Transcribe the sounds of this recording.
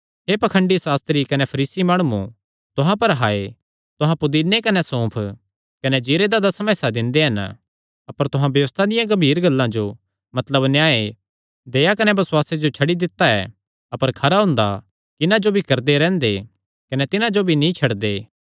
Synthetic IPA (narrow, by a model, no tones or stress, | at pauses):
ɦepɐkʰə̃ɳɖisaːst̪ɾikɐnɛpʰɐɾiːsimaːɽ̃uṵ̃ | t̪ʊɦãpɐɾɦaːe | t̪ʊɦãpʊd̪iːnekɐnɛsõːpʰ | kɐnɛd͡ʒiːɾed̪ad̪ɐsmɛːsad̪ɪ̃nd̪eɦɐn | ɐpəɾt̪ʊɦãbjɐʋəst̪ʰad̪ɪjãɡɐbʱiːɾɡɐlːãd͡ʒo | mɐt̪ləbnɪjaːe | d̪eːjakɐnɛbɐsʊwaːsed͡ʒot͡ʃʰɐɽid̪ɪt̪ːaɛ̰ | ɐpəɾkʰɐɾaɦʊ̃nd̪a | kɪnãd͡ʒobʱikɐɾd̪eɾɛ̃ːnd̪e | kɐnɛt̪ɪnãd͡ʒobʱinĩt͡ʃʰɐɽd̪eː